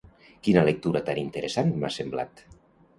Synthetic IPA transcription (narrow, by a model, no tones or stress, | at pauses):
kinalek̚t̪uɾat̪anint̪eɾesanma̰sembla̰t̪